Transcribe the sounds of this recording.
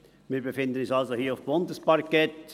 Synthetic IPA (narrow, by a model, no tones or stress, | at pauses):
miːɾbefɪnd̪ənisɑlsohiːʊfbʊnd̪əspaɾkɛt